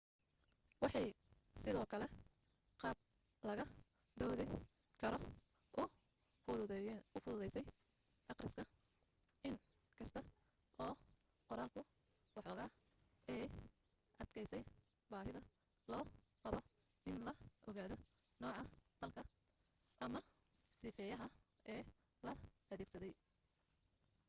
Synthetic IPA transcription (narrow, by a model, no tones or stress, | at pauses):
wɑħɑj | sɪðɔːkʰɐlɛ | qɑːb̚ | lɐɣɐ | d̪ɔːðɪ | kʰɐɾɔ | ʊ | ʊfʊðʊðɛjsɛj | ʔɑqrɪskʰɐ | ɪn | kʰɐst̪ʰɐ | ʔɔː | qɔɾaːlkʰʊwɑħɔːɣaːɛj | ʔɐd̪kʰɛjsɛj | baːɦɪðɐ | lɔːqɑβɔ | ɪnlɐʔɔɣaːðɔ | nɔːʕɑq̪ɑlkʰɐ | ɐmɐsɪfɛːjɐɦɐ | ʔɛː | lɐɐðɛːɡ̥sɐðɛj